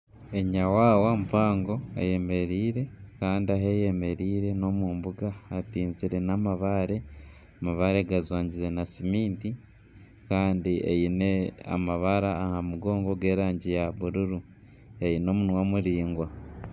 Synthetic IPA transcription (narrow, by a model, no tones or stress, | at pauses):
e̞ɲawaːwampaːŋɡo̞a̰je̞me̞ɾiːɾe̞kaːndiaɦeje̞me̞ɾiːɾe̞no̞muːmbuɡaːtiːnziɾe̞namaβaɾe̞ | amaβaɾe̞ɡazwaːɲɟize̞nasimiːnti | kaːndiḛjinea̰maβaɾaːhamuɡo̞ːŋɡo̞ɡe̞ːɾaːɲɟijaβuɾuɾu | e̞jino̞ːmunwamuɾiːŋɡwa